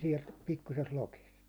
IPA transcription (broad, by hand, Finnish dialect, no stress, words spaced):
siɛlt pikːusest lokist